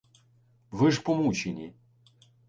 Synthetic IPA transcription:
ʋɪʐpɔmut͡ʃenʲi

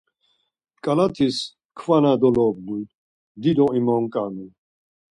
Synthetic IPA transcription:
kʼalat̪ʰis | kʰvanad̪ɔlɔbmu | d̪id̪ɔimɔŋkʼami

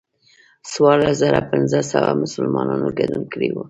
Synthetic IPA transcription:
swɑɾlaszaɾapɪnzəsawamʊsəlmɑnɑnoɡad̪unkəɽewu

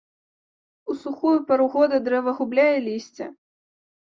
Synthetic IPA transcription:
usuxujupɐɾuɣɔd̪ɐd̪ɾɛvɐɣublʲajɛlʲisʲt͡sʲɐ̰

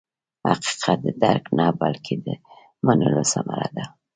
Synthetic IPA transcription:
haqi̥qʰat̪̚d̪əd̪aɾknabalkʰed̪ə | manəlosamaɾad̪a

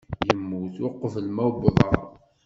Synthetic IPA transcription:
jəmːuθwɑqːəfəlmæwbðˤɑɾˤ

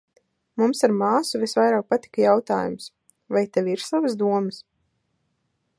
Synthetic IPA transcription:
mumsaɾmaːsuvisvajɾaːk̚pat̪i̥kajawt̪a̰ːjṵms | vajt̪ɛvʲiɾsavəsd̪uɔməs

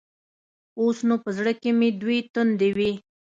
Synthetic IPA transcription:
osnupəzɽəkemed̪wet̪ʊnd̪ewi

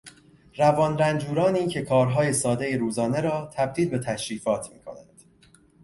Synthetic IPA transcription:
ɾævɒːnɾænd͡ʒuːɾɒːniːcʰe̞kʰɒːɾɦɒːje̞sɒːd̪e̞jeɾuːzɒːne̞ɾɒːt̪ʰæb̚d̪iːlbe̞t̪ʰæʃɾiːfɒːt̪ʰmiːkʰo̞̰nænd̪̥

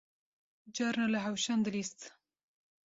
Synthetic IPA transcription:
d͡ʒɑɾnalaɦawʃand̪ɨlist̪

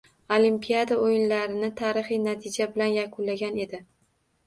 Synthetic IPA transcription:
olimpʰijad̪aojɪnlaɾɪnɪt̪ʰaːɾɪχɪjnat̪ʰɪd͡ʒabɪlanjakʰʊnlaɡʲane̞d̪ɪ

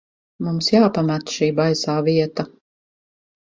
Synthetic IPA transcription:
mumsjaːpamæt̪ʃiːbajsaːviɛt̪a

